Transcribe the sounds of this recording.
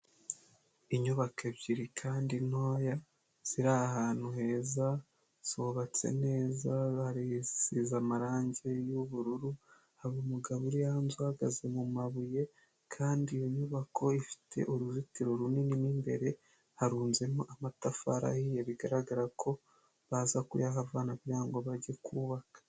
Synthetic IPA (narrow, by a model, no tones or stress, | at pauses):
iɲuβake̞bɟiɾikʰaːndino̞ːja | z̥iɾahaːn̥huɦe̞ːza | z̥oβat͡se̞̰ne̞ːzahaɾisizamaɾaːɲɟejuβuɾuɾu | haβumuɡaβuɾijahanzuhaɡa̰ze̞mumaβuje̞ | kʰaːndiːjo̞ɲuːβakʰo̞ifi̥tʰe̞̰ʔoɾuzitiɾo̞ɾunininimbe̞̰ɾe̞ | haɾuːnze̞moʔamatafa̰ɾa̰hijeβiɡaɾaɡaɾakʰo̞ | βazakṵjaɦavaːnaβjaːŋɡo̞βaɟe̞kuːβakḁ